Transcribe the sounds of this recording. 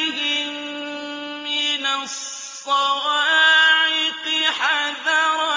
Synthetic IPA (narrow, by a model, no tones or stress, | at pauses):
ɦɪ | mɪnasː | ɑɾɑːʕɪqɨħaðaːwa